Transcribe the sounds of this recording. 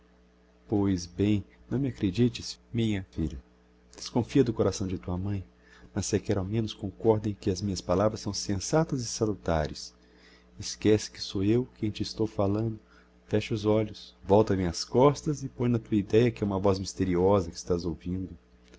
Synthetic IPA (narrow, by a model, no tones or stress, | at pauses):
pojzbẽj̃nɐ̃w̃mɪakɾed͡ʒit͡ʃɪsmĩɲɐfiʎɐ | d̪̥eskõfiɐd̪ʊkoɾasɐ̃w̃d͡ʒɪt̪uɐmɐ̃j̃ | mɐsːekɛɾawmẽnʊskõkɔɾd̪ẽj̃kɪɐzmĩɲɐspalavɾɐsːɐ̃w̃sẽsat̪ɐzɪsalut̪a̰ɾɐs | ɪskɛsɪ̥kɪ̥soewkẽj̃t͡ʃɪːst̪owfalɐ̃nd̪ʊ | fɛʃʊzɔʎʊsvɔwt̪ɐmĩɐskɔst̪ɐzɪpõj̃nɐt̪uɐid̪ɛjɐkɪũmɐvɔzmist̪eɾiɔzɐkɪ̥st̪azowvĩnd̪ʊ